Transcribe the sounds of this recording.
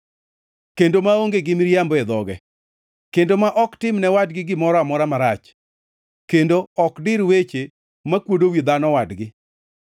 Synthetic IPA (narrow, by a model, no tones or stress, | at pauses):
kendomaoŋɡeɡɪmɪɾjambɔɛd̪ɔɡɛ̰ | kendomaʔɔktɪmnɛwad̚ɡɪɡɪmɔɾɔamɔɾamaɾat͡ʃ | kendoɔkdɪɾwet͡ʃe | makwodowid̪anɔwadɡɪ